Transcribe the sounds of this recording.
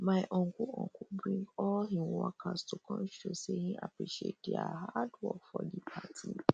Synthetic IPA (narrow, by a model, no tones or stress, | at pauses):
mãɪʔɔ̃ŋ̩kʰʊɔ̰̃ŋ̩kʰʊbɾĩŋɡɔlɦĩakʰastʰʊkʰɔ̃nʃosɛhĩʔapɾiʃiḛt̚dia̰haadwɔkfɔdipʰatʰi